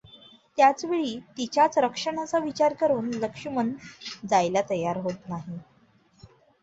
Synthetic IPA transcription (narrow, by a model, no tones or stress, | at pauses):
t̪jat͡sʋeɭiːt̪it͡ɕjat͡sɾəkʂəɳ̃at͡saʋit͡ɕaɾkəɾuːnləkʂimənd͡zajlat̪əjaɾɦot̪naɦi